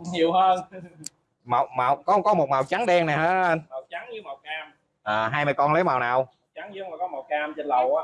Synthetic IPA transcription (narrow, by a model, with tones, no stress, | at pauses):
ɲi˨˩əwhəː˧n | ma˨˩wmaː˨˩wkɔ˨˦˧ŋ͡mkɔ˨˦mo˨˩t̚ma˨˩wt͡ɕa˨˦ŋɗɛ˧ŋna˨˩haː˨˦ə˧nma˨˩wt͡ɕa˨˦ŋɲɨ˨˦ma˨˩wkaː˧m | ʔəː˨˩ɦaː˧jmaː˧˩kɔ˧nlə˨˦wmaː˨˩wnaː˨˩wt͡ɕa˨˦ŋzɨ˧˦˥ŋ͡mlaː˨˩kɔ˨˦ma˨˩wkaː˧mt͡ɕe˧nlə˨˩wʔaː˨˦